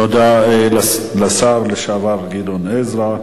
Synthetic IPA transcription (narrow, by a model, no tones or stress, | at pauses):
od̪a | lasaɾleʃavaɾɡid̪onezɾa